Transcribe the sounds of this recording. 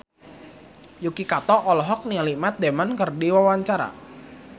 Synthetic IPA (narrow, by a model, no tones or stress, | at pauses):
jukikat̪ɔʔɔlɔɦɔk̚nialimat̪̚d̪emankərdiwawaɲt͡ʃaɾa̰